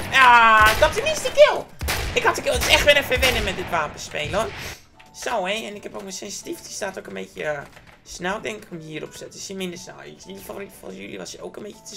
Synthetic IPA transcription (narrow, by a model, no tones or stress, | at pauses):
jadɔtənɪstəkɪlˠɪkhɔtəkɪlˠətɪsɛxtʋɪɾəfəʋɪnəmɛt̚dɪtʋaːmpəspeːləɔn | soːɛɛnɪkhɛpokməsɪnstiftistaːtokənbeːtjə | snɛlˠdɛŋkɪ̥komiːəɾo̰psɛtɪsjəmɪndəsnɛ̰lˠḭsidəfaforitə̥fɔ̰sjy̰lḭʋɔsjəo̰ːkənbeːtjə̥tʰə